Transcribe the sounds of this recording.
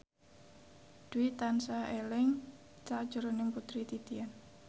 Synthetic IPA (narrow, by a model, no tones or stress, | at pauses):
d̪̥uit̪ansaʔelɪŋ | t͡ʃad̥ʒ̥ṳɾonɪŋput̪ɾit̪it̪ian